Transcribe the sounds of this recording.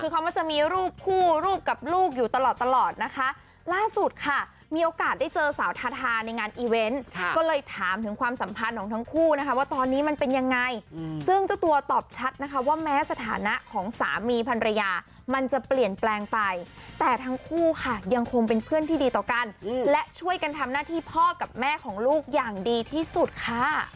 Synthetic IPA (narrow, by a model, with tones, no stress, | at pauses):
kʰɯː˧kʰa˦˥waː˥˩t͡ɕa˨˩miː˧ɾuː˥˩p̚kʰuː˥˩ɾuː˥˩p̚ka˨˩p̚luː˥˩k̚juː˨˩t̪a˧lɔː˨˩t̪ːa˧lɔː˨˩t̪̚na˦˥kʰa˦˥ʔ | laː˥˩su˨˩t̪̚kʰa˥˩ | miː˧ʔoː˧kaː˨˩t̪̚da˥˩jt͡ɕɤː˧saː˩˦wt̪ʰaː˧t̪ʰaː˧na˧jŋaː˧nʔiː˧we˦˥nkkɔː˥˩lɤː˧jt̪ʰaː˩˦mt̪ʰɯ˩˦ŋkʰwaː˧msa˩˦mpʰa˧nkʰɔː˩˦ŋt̪ʰa˦˥ŋkʰuː˥˩na˦˥kʰa˦˥waː˥˩t̪ɔː˧nːiː˦˥ma˧npe˧nja˧ŋːa˧jsɯ˥˩ŋt͡ɕa˨˩t̪u˧ɐt̪ɔː˨˩p̚t͡ɕʰa˦˥t̪̚na˦˥kʰa˦˥waː˥˩mɛː˦˥sa˧t̪ʰa̰ː˩˦na˦˥ʔkʰɔː˩˦ŋsa̰ː˩˦miː˧pʰa˧nɾa˧jaː˧ | ma˧nt͡ɕa˨˩pli˨˩ənplɛː˧ŋpa˧jt̪ɛː˨˩t̪ʰa˦˥ŋkʰuː˥˩kʰa˥˩ja˧ŋkʰo˧ŋpe˧npʰɯ˥˩ənt̪iː˥diː˧t̪ɔː˨˩ka˧nlɛ˦˥t͡ɕʰu˥˩əjka˧nt̪ʰa˧mnaː˥˩t̪ʰiː˥˩pʰɔː˥˩ka˨˩p̚mɛː˥˩kʰɔː˩˦ŋluː˥˩k̚jaː˨˩ŋdiː˧t̪ʰiː˥˩su˨˩t̪̚kʰa˥˩